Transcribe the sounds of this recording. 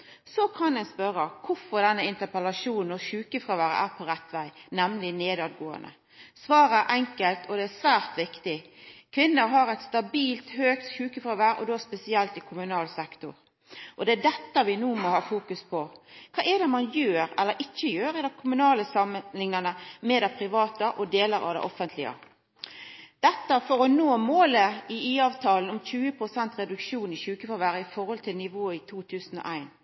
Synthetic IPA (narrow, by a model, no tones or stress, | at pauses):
sɔkʰɑnɛnspœɾəkʰʊɾfɔɾd̪ɛnːəɪnt̪əpɛlɑʂuːnn̩ɔçʉːkəfɾɑːʋæːɾə̰ʔæ̰ɾpʰɔɾɛt̪ːʋæɪnɛmlɪneːd̪ɑːd̪ɡoːə̰nə̰ | sʋɑːɾəæʔɛŋkəlt̪ʰɔd̪ɛæsʋæːɾt̪ʋɪkt̪ɪkʰʋɪnːəɾɦɑɾɛt̪st̪ɑbiːlt̪høːkt̪ɕʉːkəfɾɑːʋæɾɔ̰d̪ospɛsɪɛlt̪ɪkʰʊmʉnɑːlsɛkt̪ʊɾ | ʔɔd̪ɛæd̪ɛt̪ːəʋɪnuːmɔhɑːfuːkʉspʰɔkʰɑːʔɛd̪ɛmɑnjøːɾɛlːəɾɪt͡ʃːəjøːɾɪd̪ɛkʰʊmʉnɑːləsɑmlɪŋnɑnəmɛd̪ɛpʰɾɪʋɑːt̪əʔɔd̪eːləɾɑ̰ʋd̪ɛ̰ʔɔfənt̪lɪə̰ | d̪̥ɛt̪ːəfɔɾɔnoːmoːləɪiːɑːʋt̪ʰɑːlən̩ɔmc͡çʉːəpʰɾʊsɛnt̪ɾɛd̪ʉkʂuːnɪçʉːkəfɑʋæːɾəɪfɔɾhɔlt̪ʰɪlnɪʋoːɪt̪ʰuːt̪ʰʉːsn̩ɔ̰ʔæɪn